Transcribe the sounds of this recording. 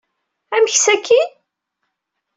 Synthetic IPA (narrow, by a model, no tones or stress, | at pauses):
æməçsækʰːi